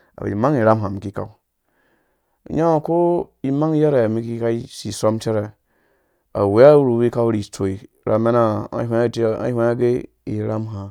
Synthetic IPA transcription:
a̰˨b̰ḭ˨ma˦ŋi˨ɾa˦mɦa˨mi˨ki˦ka̰˨u˦˨ | ja˦˨ko˦i˦ma˦ŋ˦ja˦ɾe˨mi˦ki˦ka˦i˦si˨so˦mte˦ɾe˨ | a̰˨we˨˦a˦ɾu˨˦wi˦ka˦u˦ɾi˨to˨i˨ | ɾa˨me˦na˦a̰˦ɦʷe˦˨ta̰˦e˦a˦ɡe˦ | i˨ɾa˦mɦa˨

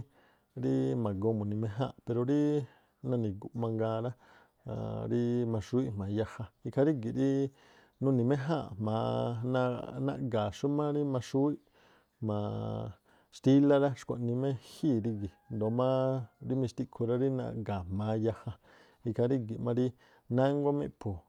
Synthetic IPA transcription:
ɾi˦mã˨ɡo˧mõ˨nĩ˧mẽ˧˦ɦã̰˦˨pe˧ɾo˧ɾi˦ | nã˧nĩ˨ɡu˨ʔmã˧ŋɡa˧ɾa˦ | a̰˧˨ɾi˦mã˧ʂu˦i˦ʔmã˨˧ja˧ha˧i˧kʰa˧ɾi˦ɡi˨ɾi˦ | nũ˧˨nĩ˧mẽ˦ɦa˦˨mã˨˧nã˧nã̰˧ʔɡa˨ʂu˦mã˦ɾi˦mã˧ʂu˦i˦ʔ | mã˨ | ʃt̪i˦la˦ɾa˦ʂkʷa̰˨nĩ˧mẽ˦hi˦˨ɾi˧ɡi˨nd̪o˨mã˦ɾi˦mĩ˧ʃt̪i˧kʰu˧ɾa˧ɾi˦nã̰˧ʔɡa˨mã˨˧ja˧ha˧ | i˧kʰa˧ɾi˦ɡi˨ʔmã˧ɾi˦ | nã˦ŋɡo˦mḛ̃˧˦pʰo˨

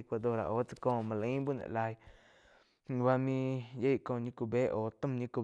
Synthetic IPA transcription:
i˧kʷa˧d̪o˧˨ɾa̰˨ʔoː˨˦t͡sḁ˦˧kõː˧˨mã˧la˨ĩ˦bu˦˨nḛ̃˧ʔla˧˨j | wa˧mĩ˧je˦jkõː˧˨ɲĩ˦ku˧beː˦ʔoː˨˦t̪ə̃˦˨mɲĩ˧ku˧

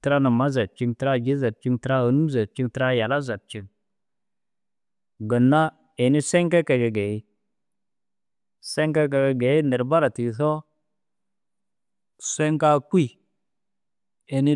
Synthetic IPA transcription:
tə˨˦ɾa˦na˨ma˦za˨t̚t͡ʃi˦ŋtə˦ɾa˦d͡ʒi˦za˨t̚t͡ʃi˦ŋtə˦ɾa˦ə˨nu˦za˨t̚t͡ʃi˦ŋtə˦ɾa˦ja˨la˦za˨t̚t͡ʃi˦ŋ | ɡə˨nːa˦ | e˨ni˦se˦ŋke˦ke˨ɡe˨ɡe˨i˦ | se˦ŋke˦k̬e˨ɡe˨ɡe˨i˦nə˨ɾba˦ɾa˨ti˨θo˦ | se˦ŋka˦kʷi˦˨ | e˨ni˦

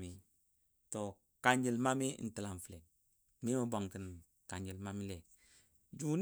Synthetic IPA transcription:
mi˨ | to˨ | ka˨ɲd͡ʒi˨lma˦mi˦˨n̩˨ti˨la˨nfle˨n | mi˦ma˦bo˨ŋkə˨n | ka˨ɲd͡ʒi˨lma˦mi˦le˨k̚ | d͡ʒu˦n

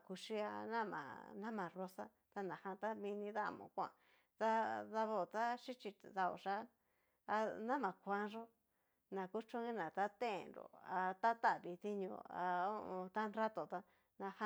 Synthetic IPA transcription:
ku˧ʂi˦a˧nã˦mã̰˨nã˦mã˨ro˧sa˦ | t̪a˧nã˨hã˧t̪a˦mĩ˧nĩ˧ða̰˦˨mõ̰˨kʷã̰˧˨ | t̪a˦ða˧βo˧˨t̪a˦ʃi˦t͡ʃi˧ða˧o̰˨ʂa˦ | a˧nã˦mã˨kʷã˦ʐo˦ | nã˨ku˦t͡ʃõ˦ĩ˦nã˨t̪a˦t̪ẽ˦˨nɾo̰˨a˧t̪a˦t̪a˦˨βi˨t̪i˦ɲõ̰˧a̰˧o˦˧t̪a˦nɾa˦t̪o˨t̪a˧ | nã˧ha˧

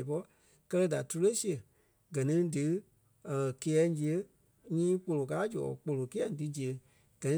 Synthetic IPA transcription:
pɔ˧˦ | kɜ˧lɜ˦da˨tu˧le˦si˦ə˨ | ɡɜ˨nĩ˦dɨ˨˦˨ | ke˧˦ɛ˨˦d͡ʒi˧˨ə˨˦ | ɲĩː˦k͡po˧lo˨k̬aː˨˦d͡ʒɔ̰ː˨k͡po˧˨lo˨ki˦ã˨ŋ˦dɨ˨˦d͡ʒi˨ə˨ | ɡ̥ɜ˨nĩ˧˦

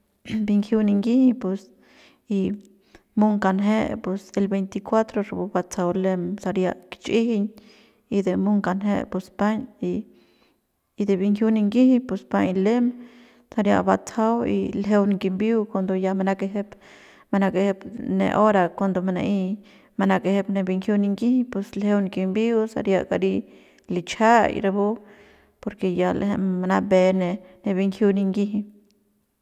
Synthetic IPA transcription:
bi˧ŋkʰju˦ni˧ŋɡi˦hipe˧s | i˧ | mu˦ŋka˧nɦe˦pwe˧se˧lbe˧jnt̪i˧kwa˦t̪ɾo˧ɾe˧bu˧ba˧t͡sa˧wle˦msa˧ɾja˧ʔkt͡ʃʔi˦hi˧ɲ | i˧d̪e˧mu˦ŋka˧nɦe˦ʔpu˧spa˦ɲi˧ | d̪e˨bi˧ŋkʰju˦˧ni˧ŋɡi˦hi˦ɲpu˧sba˧ɲle˦m | sa˧ɾja̰˧ʔba˧t͡sʰa˦wḭ˧lɦe˧wnɡi˧mbi˦wkwa˧nd̪o˧ja˧ma˧na˦ke˧ɦe˦p | ma˧na˧ke˧he˧pnḛ˧ʔo˦ɾa˨kwa˧nd̪o˧ma˧na̰˧ʔi˧ | ma˧na˧ke˧he˧˦pne˧bi˧ŋkju˦ni˧ŋɡi˦hi˧pe˧slhe˧wn˧ɡi˧mbi˦wsa̰˧ɾja̰˧ʔka˧ɾi˧ | li˧t͡ʃa˦j̰ɾe˧bu˦ | po˧ɾke˧ja˧lhe˧ma˧na˧be˧ne˧ne˧bi˧ŋkju˧ni˧ŋɡi˦ɦi˧

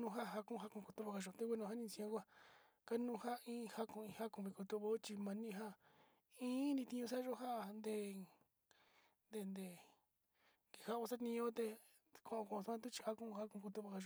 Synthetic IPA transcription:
nũ˧ɦa˦˨ɦa˧kũ˦˧ɦa˦kũ˧ku˧t̪u˧βa˧ka˧ʒo˨t̪e˦ke˦nũ˧ha˦nĩ˧sĩ˧õ˧˦kʷa˦˧ | ka˦nũ˦˧ha˦ĩː˦˧ha˦kũ˧˨ĩ˧ha˦kũ˧βi˧ku˧t̪u˧βo˧˦t͡ʃi˧mã˧nĩ˦˧ɦa˦ | ĩː˦nĩ˧t̪ĩ˧ɲũ˧s̬a˦ʒo˦ɦa˦˨nd̪e˧˨ | nd̪e˧nd̪e˧˨ | ke˨ha˦o˧sa˦t̪nĩ˧õ˦t̪e˧ | kʰõ˨ʔõ˧kõ˨˧t̪u˧˦ã˦t̪̬u˦t͡ʃi̥˧ha˦kũ˦˧ha˦kũ˧ku˧t̪u˧βa˧ka˧ʒo˨˧

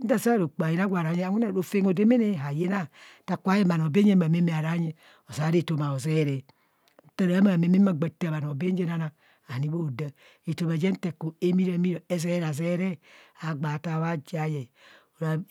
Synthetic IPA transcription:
n̩˦da˦˨sa˦ɾo˨k͡pa˨je˦na˦ɡʷa˨ɾa˨˦ɲe˦a˨ŋʷu˦na˨ɾo˨fe˦ŋo˨de˦me˦ne˦˨ɦa˨je˦na˦ta˨kʷa˦je˦ma˨n˨o˨be˦e˦ma˨me˦me˨a˨ɾa˦ɲe˦ | o˨sa˨˦ɾe˦˨to˨ma˨o˨ze˦˨ɾe˨ | n̩˦ta˦˨ɾa˨˦ma˨me˨˦mi˦ma˦˨ɡ͡ba˨ta˦˨ba˨n˨o˨be˦d͡ʒe˦na˦na˨ | a˨ni˦bo˦˨da˨ | e˨to˨ma˨d͡ʒe˦n̩˦te˨ko˨e˦mi˦ɾa˨˦mi˦ɾo˨e˦ze˦ɾa˨ze˦ɾe˦a˨ɡ͡ba˨ta˦˨βa˦d͡ʒa˨je˨o˨ɾa˨

